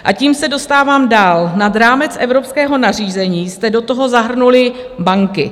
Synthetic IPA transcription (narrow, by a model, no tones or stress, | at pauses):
ʔaciːmsɛdo̞st̪aːvaːmdaːlnadɾaːmɛt͡sʔɛvɾopskɛːɦo̞nar̝iːzɛɲiːst̪ɛdo̞t̪o̞ɦo̞zaɦr̩nulɪ | baŋkɪ̰